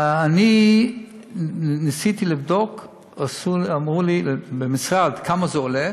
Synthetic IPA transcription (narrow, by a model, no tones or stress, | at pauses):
ani | nisit̪ilivd̪ok | asuamʁulibemisʁad̪kʰamazeole